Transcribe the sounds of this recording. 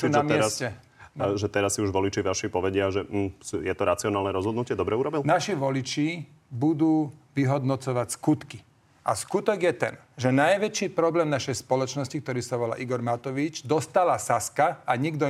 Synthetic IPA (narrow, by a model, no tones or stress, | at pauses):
t͡ʃuamɛɛsscɛ | nʒɛt̪ɛɾasːiuʒʋɔlit͡ʃiʋaʃipɔʋɛɟɪaʒɛːsjɛt̪ɔɾat͡siɔnaːlnɛɾɔzɦɔd̪nucɪɛd̪ɔbɾɛuɾɔbilnaʃiʋɔlit͡ʃi | bud̪uːʋiɦɔd̪nɔt͡sɔʋacskut̪ki | ʔa̰skut̪ɔɡjɛt̪ɛn | ʒɛnajʋɛt͡ʃiːpɾɔblɛːmnaʃɛjspɔlɔt͡ʃnɔscikt̪ɔɾiːsaʋɔla̰ːʔiɡɔɾmat̪ɔʋit͡ʃd̪ɔst̪alasaskaaɲiɡd̪ɔ